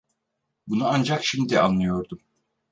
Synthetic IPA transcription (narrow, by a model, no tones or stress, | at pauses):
bunuand͡ʒakʃimd̪iʔa̰nlˠɯjo̞ɾd̪um